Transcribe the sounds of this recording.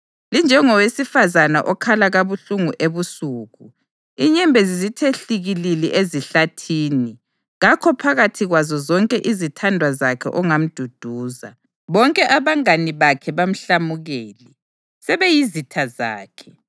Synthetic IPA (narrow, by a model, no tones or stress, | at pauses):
lind͡ʒʱɛŋɔwesifazanaʔɔkʰalaɣaβuɬuŋuʔeβusuːɣu | iɲɛmbʱɛzizitʰeɬiɣililɛʔeziɬatʰiːni | ɣakʰɔpʰaɣatʰiɣwazɔzɔŋkʼɛʔizitʰandʱwazakʰɛ̰ʔɔŋam̩d̥ʱud̥ʱuːza̰ | βɔŋkʼɛʔaβaŋaniβakʰɛβam̩ɬamuɣɛːlɛ | sɛβɛjizitʰaza̰ːkʰɛ̥